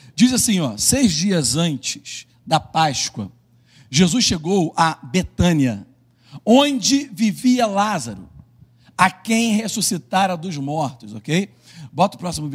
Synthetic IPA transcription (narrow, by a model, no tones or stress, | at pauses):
d͡ʒizasĩɔsejzd͡ʒiɐzɐ̃nt͡ʃɪ̥ʃ | d̪ɐpaʃkwɐ̰ | ʒezusʃeɡowɐbet̪ɐ̃niɐ | õnd͡ʒɪviviɐlazaɾʊ̰ | akẽj̃hesusit̪aɾɐd̪ʊzmɔɾt̪ʊzokej | bɔt̪ʊpɾɔsimʊv